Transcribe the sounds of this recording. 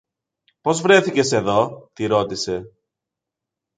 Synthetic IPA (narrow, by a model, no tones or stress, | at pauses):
po̞zvɾe̞θice̞se̞ðo̞t̪iɾo̞t̪ise̞